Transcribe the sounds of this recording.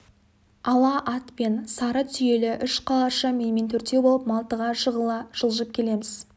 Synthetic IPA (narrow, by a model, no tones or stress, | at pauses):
ɑlˠɑʔɑt̪pe̞nsɑɾəsʰʏje̞lɪʔʏʃqʰɑlˠɑʃəmejment̪ʰʏɾt̪e̞bo̞lˠəp̚mɑlˠt̪əʁɑʃəʁəlˠɑʒ̥əlˠʒəp̚kʲʰe̞le̞mɪz